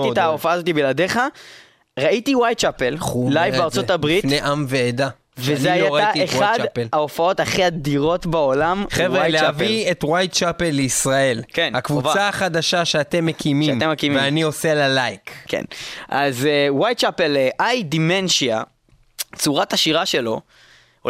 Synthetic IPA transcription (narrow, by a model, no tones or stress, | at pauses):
itaofaaːzot̪ibilad̪eχa | ʁait̪iwajt̚t͡ʃapelχullajvbeaʁt͡sotabʁinneʔamveːd̪a | vezneajaʁaeχadelaofao̞taχiad̪iʁo̞tbaolamχevʁealeavietwajt̚t͡ʃapelːeisʁae̞lkenhakvut͡saaχadaʃaʃeate̞mːekʰimiamtemːekimiveanio̞sealalajkkʰḛnʔazwajt̚t͡ʃapelʔajd̪imenʃia | t͡suʁataʃiʁaʃelo̞